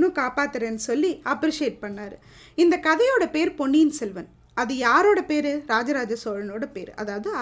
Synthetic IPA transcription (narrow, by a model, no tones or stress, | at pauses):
ɯ̃kaːpaːt̪ːɯɾeːnːɯsɔlːiɐpɾɪʂeːʈ̚pɐɳːaːɾɯ | ɪnd̪ɐkɐðɐjoːɽɐpeːɾpɔɳːijnsɛlʋɐn | ɐðɯjaːɾoːɽɐpeːɾɯɾaːd͡ʒɐɾaːd͡ʒɐsoːɻɐnoːɽɐpeːɾɐ̰ðaːʋɐðɯɐ